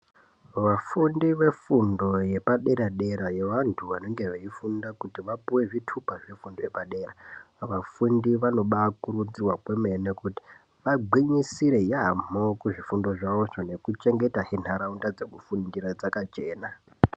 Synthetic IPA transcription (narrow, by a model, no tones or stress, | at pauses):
ʋafundiʋe̞fundo̞je̞paɗeɾaɗeɾajeʋantʰuʋano̞ŋɡe̞ʋaifundakutiʋapuwe̞ʐitʰupaʐefundo̞je̞paɗe̞ːra | ʋafundiʋano̞ɓakuɾud͡zirwakweme̞nekuti̥ | ʋaɡiɲisiɾe̞jam̤okuʐifundo̞ʐaʋoʐone̞kut͡ʃe̞ŋɡe̞taɦen̤aɾaundad͡ze̞kufundiɾad͡zakat͡ʃe̞ːna